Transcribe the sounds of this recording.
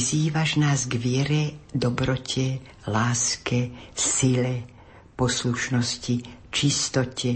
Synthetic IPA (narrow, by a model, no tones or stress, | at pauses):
ziːʋaʒnaːzɡʋɪɛɾɛd̪ɔbɾɔcʰɛ | laːskɛsilɛ | pɔsluʃnɔscit͡ʃist̪ɔcʰɛ